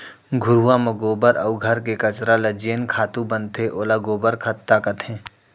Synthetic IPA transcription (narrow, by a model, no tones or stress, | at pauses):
ɡʱʊɾuwamɐɡoːbəɾʔɐʊɡʱɐɾkekɐt͡ʃɾalɐd͡ʒeːnkʰaːt̪ũbɐ̃nt̪ʰeʔoːlaɡoːbəɾkʰɐt̪ːakɐt̪ʰẽː